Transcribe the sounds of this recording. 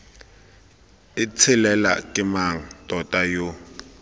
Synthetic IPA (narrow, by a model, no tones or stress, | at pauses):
ɪt͡sʰɪlɛla̰kʼɪmaŋ̩tʼɔtʼajo